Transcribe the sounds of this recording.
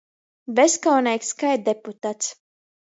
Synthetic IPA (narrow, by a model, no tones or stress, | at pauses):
vɛskawnɛjkskajt̪̚d̪eput̪at̪s